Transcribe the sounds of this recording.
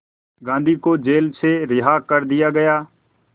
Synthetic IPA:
ɡãːnd̪ʱiːkoːd͡ʒeːlt͡ʃʰeːɾɪɦaːkəɾd̪ɪjaːɡəjaː

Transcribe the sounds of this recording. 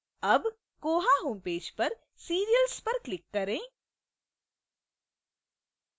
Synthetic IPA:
ɐb | koːɦaɦoːmpeːd͡ʒpɐɾ | siːɾijəlspɐɾklɪkːɐɾẽː

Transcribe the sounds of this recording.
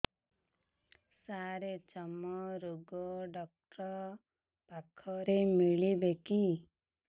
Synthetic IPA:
saɾet͡ʃɔmɔɾuɡɔɖɔk̚ʈɾɔ | pakʰɔɾemiɭibeki

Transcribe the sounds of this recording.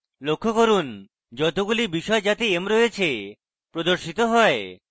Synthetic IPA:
lokʰːokoɾun | d͡ʑɔt̪oɡulibiʃɔed͡ʑat̪iemɾojet͡ɕʰe | pɾod̪oɾʃit̪oɦɔe

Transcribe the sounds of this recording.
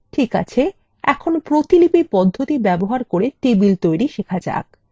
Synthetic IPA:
ʈʰika̰t͡ɕʰe | ɛkʰonopɾot̪ilipipɔd̪ʱːot̪ibɛboɦaɾkoɾet̪ebilt̪ojɾiʃekʰad͡ʑa̰k

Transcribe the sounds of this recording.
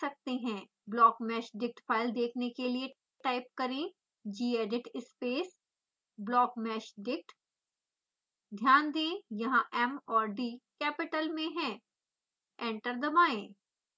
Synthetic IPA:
sɐk̚t̪eɦɛ̃ː | blɔːkmɛːʃɖɪk̚ʈpʰaːɪld̪eːkʰnekelie | ʈʈaːɪp̚kɐɾẽ | d͡ʒiːeːɖɪʈɪspeːs | blɔːkmɛːʃɖɪk̚ʈ | d̪ʱjaːnd̪ẽːjɐɦãʔɛmɔːɾɖiːkɛːpɪʈəlmẽɦɛ̃ː | ɛ̃ːɳʈəɾd̪ɐmaːẽː

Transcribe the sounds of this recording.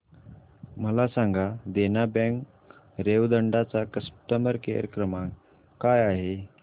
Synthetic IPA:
məlasãŋɡʱad̪enabɛ̃ŋk | ɾeʋd̪əɳɖat͡sakəsʈəməɾkejə̰ɾəkɾəmã | kajaɦe

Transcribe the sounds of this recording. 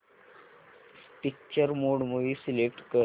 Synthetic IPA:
ʈik̚t͡ʃəɾmoːɽmuʋisilek̚ʈkə

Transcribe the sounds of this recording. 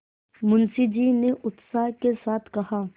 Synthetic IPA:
mʊ̃nsid͡ʒiːneʔʊt̪saːɦkesaːt̪ʰkɐhaː

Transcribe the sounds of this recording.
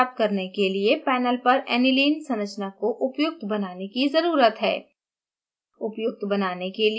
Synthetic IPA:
p̚t̪̚kɐɾnekeliepɛːnəlpɐɾɛ̰ːnɪliːnsɐ̃nət͡ʃnakoʔʊpjʊk̚t̪ʰbɐnaːnekizɐɾuːɾət̪ɦɛ̰ː | ʊpjʊk̚t̪bɐnaːnekel

